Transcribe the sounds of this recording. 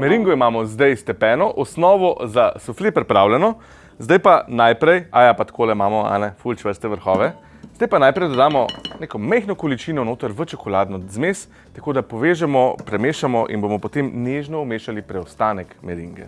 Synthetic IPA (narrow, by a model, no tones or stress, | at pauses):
mɛɾiŋɡɔimaːmɔzd̪ɛjst̪ɛpɛːnɔʔɔsnɔːʋɔzasuflepɾɛpɾawlʲɛnɔ | zd̪ajpanajpɾɛjajapat̪kʰoːlɛmaːmɔa̰nɛfult͡ʃʋəɾst̪ɛʋəɾxɔːʋɛ | zd̪ajpanajpɾɛjd̪ɔd̪aːmɔnekɔmɛjxnɔkɔlit͡ʃinɔnoːt̪əɾʋət͡ʃɔkɔlad̪nɔzmes | t̪akoːd̪apɔʋeːʒɛmɔpɾɛmeːʃamɔʔḭnbomɔpɔt̪emneʒnɔɔmeːʃalipɾɛɔst̪aːnɛkmɛɾiŋɡɛ̰